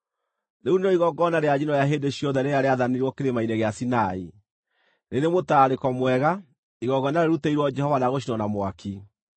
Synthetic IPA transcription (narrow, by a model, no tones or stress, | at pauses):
neunɔiɣɔɡɔnaɾead͡ʑinɔjaɦeːndeɕjɔnðɛneaɾeaðaneɾwɔkeɾemaineɣeasinai | neɾemotaɾekɔmwɛɣa | iɣɔɡɔnaɾeɾuteiɾwɔd͡ʒɛhɔvanaɣoʃ̬inɔnamwakʰi